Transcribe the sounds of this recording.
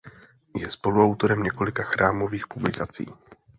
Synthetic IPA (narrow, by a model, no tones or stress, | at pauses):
jɛspo̞luawt̪o̞ɾɛmɲɛko̞lɪkaxɾʔaːmo̞viːxpublɪkat͡sḭː